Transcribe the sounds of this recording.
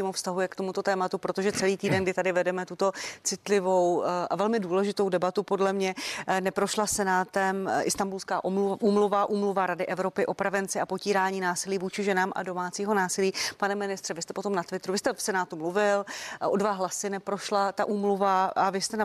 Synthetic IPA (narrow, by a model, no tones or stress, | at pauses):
iːmofst̪aɦujɛkt̪o̞mut̪o̞t̪ɛːmat̪upɾot̪o̞ʒɛt͡sɛliːt̪iːdɛnɡdɪt̪adɪvɛdɛmɛt̪ut̪o̞t͡sɪt̪lɪvo̞wʔa̰vɛlmɪduːlɛʒɪt̪o̞wdɛbat̪upo̞dlɛmɲɛnɛpɾo̞ʃlasɛnaːt̪ɛmʔɪ̰st̪ambulskaːʔluʔuːmluvaʔuːmluvaɾadɪʔɛvɾo̞pɪʔo̞pɾavɛnt͡sɪʔapociːɾaːɲiːnaːsɪliːvuːt͡ʃɪʒɛnaːmʔa̰do̞maːt͡siːɦo̞naːsɪliːpanɛmɪnɪst̪r̥ɛvɪst̪ɛpo̞t̪o̞mnat̪vɪt̪ɾuvɪst̪ɛfsɛnaːt̪umluvɪlʔodvaɦlasɪnɛpɾo̞ʃlat̪aʔuːmluvaavɪst̪ɛn